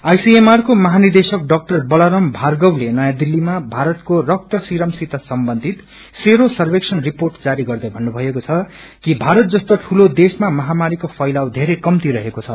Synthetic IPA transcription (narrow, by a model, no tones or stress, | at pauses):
ajsiemarkomʌɦanird̪esʌk̚ɖʌk̚ʈʌrbʌlʌɾʌmbʱarɡʌwlenʌjãd̪ilːimabʱaɾʌt̪korʌk̚t̪ʌsiɾʌmsit̪asʌmbʌnd̪ʱit̪ | seɾosʌrbeksʌnriporʈd͡zaɾiɡʌrd̪ʌjbʱʌnːubʱʌekot͡sʰʌ | kibʱaɾʌt̪̚d͡zʌst̪oʈʰulod̪esmamʌɦamaɾikopʰʌjlawd̪ʱeɾekʌmt̪iɾʌɦekot͡sʰʌ